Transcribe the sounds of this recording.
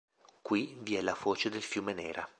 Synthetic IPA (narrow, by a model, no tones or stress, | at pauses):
kwiviɛlavoːt͡ʃed̪elfjuːmenɛːɾa